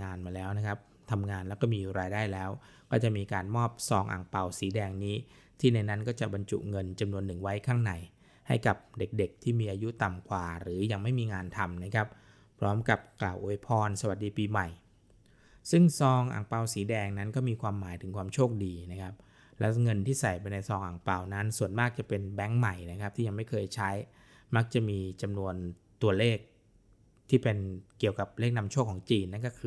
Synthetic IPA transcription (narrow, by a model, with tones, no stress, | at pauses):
ŋaː˧nmaː˧lɛː˦˥wna˦˥kʰa˦˥p̚ | t̪ʰa˧mŋaː˧nlɛː˦˥kɔː˥˩miː˧ɾaː˧jdaː˥˩jlɛː˦˥w | kɔː˥˩t͡ɕa˨˩miː˧kaː˧nmɔː˥˩p̚sɔː˧ŋʔa̰ː˨˩ŋpa˧wsiː˩˦dɛː˧ŋniː˦˥ | t̪ʰiː˥˩na˧jna˦˥nkɔː˥˩t͡ɕa˨˩ba˧nt͡ɕṵ˨˩ŋɤ˧nt͡ɕa˧mnu˧ənːɯ˨˩ŋwa˦˥jkʰaː˥˩ŋna˧˩j | ha˥˩jka˨˩p̚de˨˩k̚de˨˩k̚t̪ʰiː˥˩miː˧ʔaː˧ju˦˥t̪a˨˩mkʰwaː˨˩ɾɯː˩˦ja˧ŋma˥˩jmiː˧ŋaː˧nt̪ʰa˧mna˦˥kʰɾa˦˥p̚ | pʰɾɔː˦˥mka˨˩p̚klaː˨˩wʔo˧˦jpʰɔː˧nsa˧wa˨˩t̪̚diː˧piː˧ma˨˩j | sɯ˥˩ŋsɔː˧ŋʔa̰˨˩ŋpa˧wsiː˩˦dɛː˧ŋna˦˥nkɔː˥˩miː˧kʰwaː˧mːaː˩˦jt̪ʰɯ˩˦ŋkʰwaː˧mt͡ɕʰoː˥˩k̚diː˧na˦˥kʰa˦˥p̚ | lɛ˦˥wŋɤ˧nt̪ʰiː˥˩sa˨˩jpa˧jna˧jsɔː˧ŋʔaː˨˩ŋpa˧wna˦˥nsu˨˩ənmaː˥˩k̚t͡ɕa˨˩pe˧nbɛ˦˥ŋma˨˩jna˦˥kʰa˦˥p̚t̪ʰiː˥˩ja˧ŋma˥˩jkʰɤː˧jt͡ɕʰa˦˥j | ma˦˥k̚t͡ɕa˨˩miː˧t͡ɕa˧mnu˧ən | t̪u˧ɐleː˥˩k̚ | t̪ʰiː˥˩pe˧nkːi˨˩əwka˨˩p̚leː˥˩k̚na˧mt͡ɕʰoː˥˩kʰːɔː˩˦ŋt͡ɕiː˧nːa˦˥nkɔː˥˩kʰɯ˧